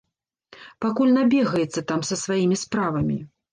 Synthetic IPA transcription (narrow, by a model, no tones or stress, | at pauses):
pakulʲnabʲɛɣɐjɛt̪sːɐt̪amsɐsvajimʲispɾavɐmʲḭ